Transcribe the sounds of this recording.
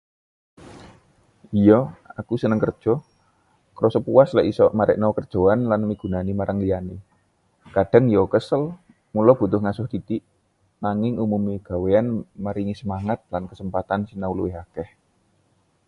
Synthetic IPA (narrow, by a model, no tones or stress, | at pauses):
ijɔakusənəŋkərd̥ʒ̥ɔ̤ | kɾɔsəpuwaslɛʔisɔmaɾɛ̰ʔnawkərd̥ʒ̥o̤anlanmiɡ̥ṳnanimaɾʔaŋlijane | kaɖ̥a̤ŋjɔkəsəl | mulɔb̥ṳt̪ʊhŋasʊhd̪̥it̪iʔ | naŋɪŋumumiɡ̥a̤weanməɾiŋisəmaŋat̪̚lankəsəmpat̪ansinawluwɪɦakɛh